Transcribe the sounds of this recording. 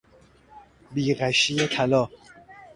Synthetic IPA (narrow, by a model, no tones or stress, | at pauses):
biːɣæʃiet̪ʰalɔː